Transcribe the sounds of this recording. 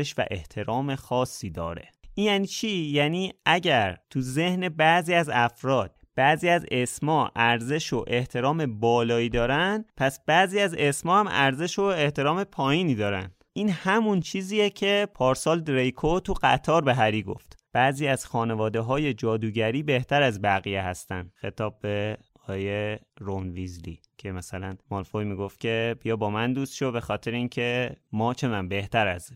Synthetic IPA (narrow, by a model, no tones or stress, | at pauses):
eʃvæ̰ʔe̞̰ht̪ʰe̞ɾɒːme̞xɒːsːiːd̪ɒ̰ːɾe̞̰ʔinjæːniːt͡ʃʰijæːniːʔæɟæɾt̪ʰuze̞hne̞bæziːæzæfɾɒːd̪̥̚b̥æziːæzesmɒːʔæɾze̞ʃoʔe̞ht̪ʰe̞ɾɒːme̞bɒːlɒːiːd̪ɒːɾænd̪̥pʰæsb̥æziːæze̞smɒːhæmæ̰ɾze̞ʃoe̞ht̪e̞ɾɒːme̞pʰɒːjiːniːd̪ɒːɾæ̰nd̪ʔiːnhæmunt͡ʃʰiːziːjecʰe̞pʰɒːɾsɒːld̪ɾejkʰot̪ʰuɢæt̪ʰɒːɾbeɦæɾiːɡo̞̰ft̪b̥æʔziːæzxɒːne̞vɒːd̪eɦɒːje̞d͡ʒɒːd̪uːɟæɾiːbe̞ht̪ʰæɾæzbæɣijeɦæst̪ænd̪̥xe̞t̪ʰɒːb̚ːe̞ | ɒːjeɾonvizlḭː | cʰe̞mæsælænmɒlfojmiːɡo̞ft̪̚cʲʰe̞b̥ijɒːbɒːmænd̪uːst̪ʃobe̞xɒːt̪ʰe̞ɾeiːncʰe̞mɒːt͡ʃʰe̞mæmbe̞ht̪æɾæ̰z